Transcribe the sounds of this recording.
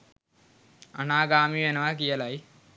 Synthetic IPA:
ɐnaːɡaːmienɐʋak̬ijɐlaj

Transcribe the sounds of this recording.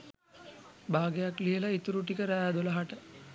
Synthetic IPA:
baːɡejakliɦəlait̪uɾuʈikəɾæad̪oləɦaʈə

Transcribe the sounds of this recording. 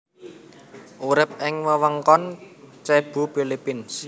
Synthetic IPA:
ʔuɾɪp̚ʔɪŋwəwəŋkɔnt͡ʃɛb̥ṳpilipɪns

